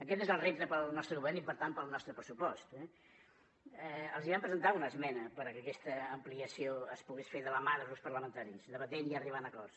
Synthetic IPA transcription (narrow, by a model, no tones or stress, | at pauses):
əkɛt̪ezəlˠrep̚t̪əpəlˠnɔst̪ɾəɣuβɛɾnipəɾt̪anpəlˠnɔst̪ɾəpɾəsupɔst̪ɛ | ɛəlˠziβampɾəzənt̪aunəzmɛnəpəɾəkəkɛst̪əːmpliəsioəspuɣesfeðələmaðəðulˠspəɾləmənt̪aɾisðəβət̪eniəriβ̞anəkɔrs